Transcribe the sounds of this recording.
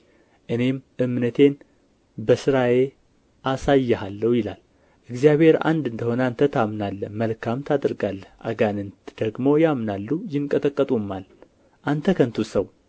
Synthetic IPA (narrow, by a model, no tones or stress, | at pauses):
ʔɨne̞mʔɨmnət̪ʰe̞n | bəsɨɾaje̞ | ʔasajːɛɦalːəwjɪla̰l | ʔɨɡzijaβhe̞ɾa̰nd̪ɨnd̪əho̞nəant̪ʰət̪ʰamnalːəməlkʰamt̪ʰad̪ɨɾɡalːəhʔa̰ɡanɨnt̪d̪̥əɡmo̞jamnalːujɪnkʼət̪ʼəkʼːət̪ʼumːal | ʔant̪ʰəkʰənt̪ʰusəw